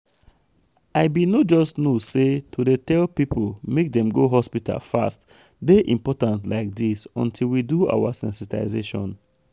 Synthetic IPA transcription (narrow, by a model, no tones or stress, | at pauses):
aɪbinɔtd͡ʒɔstnosetʰudetɛlpipʰolmek̚dɛ̃mɡoɦɔspitʰa̰lfa̰st | deʔĩmpɔtãntlaɪk̚disɔ̰̃ntʰilwidua̰wasɛ̰̃nsita̰ɪzeʃɔ̰̃n